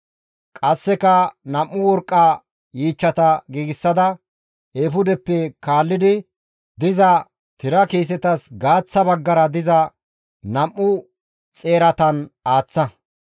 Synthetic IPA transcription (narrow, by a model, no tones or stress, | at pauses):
kʼɐsːɛkɐnɐmːʊwɔɾkʼːaː | jiːt͡ʃːɐt̪ɐɡiːɡɪsːɐd̪ɐ | eːfʊd̪ɛpːɛkaːlːɪd̪ɪ | d̪ɪzɐ | t̪ɪɾɐkiːs̬ɛt̪ɐsɡaːt͡sːɐbɐɡːɐɾɐd̪ɪzɐ | nɐmːʊ | t͡sʼe̞ːɾɐt̪ɐnaːt͡sːɐ